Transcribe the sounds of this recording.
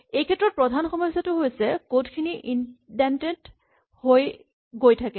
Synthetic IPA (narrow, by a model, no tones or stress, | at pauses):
ejkʰɛtːɹɔt̚pɹɔdʱanxɔmɔjsatʊɦojsɛkotkʰiniʔindɛntet | hoj | ɡojtʰakɛ